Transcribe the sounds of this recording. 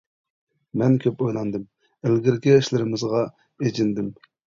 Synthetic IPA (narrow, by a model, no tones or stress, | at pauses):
mɛnkʲʰøpojlˠɑnd̪ɨm | ɪlɡʲɪɾkʲɛːʃlɪɾɪmɪzʁɑ | ed͡ʒɪnd̪ɪm